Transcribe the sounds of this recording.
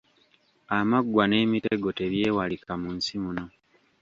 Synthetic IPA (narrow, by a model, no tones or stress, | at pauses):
amaɡwane̞ːmiteɡo̞te̞βje̞ːwalikamunsimuno